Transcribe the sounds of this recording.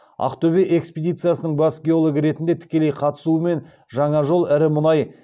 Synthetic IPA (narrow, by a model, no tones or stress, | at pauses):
ɑ̰qt̪ʰɵbeʔekspʲed̪ijt̪sɨijasənəɴbɑsɡʲeo̞lˠoɡəɾe̞t̪ɪnd̪e̞t̪ʰɪ̥kʲe̞le̞jqʰɑt̪ə̥suəme̞n | ʒɑɴɑʒo̞lˠɪɾɪmʊnɑj